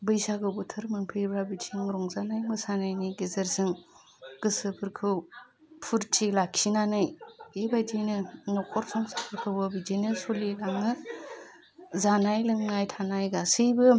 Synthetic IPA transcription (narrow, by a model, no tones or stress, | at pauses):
bɯjsaɡɯbɯtʰɯɾmɯŋpʰɯjbɾabitʰiŋɾɔŋzanajmɯsanajniɡizɯɾsɯŋ | ɡ̥ɯsɯpʰɯɾkʰɯw | pʰuɾtʰilakʰinanɯjibajd͡ʒinɯnɔkʰɔɾsɔŋsapʰɯɾkʰɯwbɯbid͡ʒinɯsolilaŋɯ | zanajlɯŋnajtʰanajɡasɯjbɯ